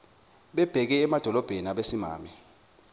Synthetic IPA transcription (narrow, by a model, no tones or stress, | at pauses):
ɓɛb̥ʱɛk̬ɛːmad̥ʱɔlɔb̥ʱenaɓesima̰ːmɛ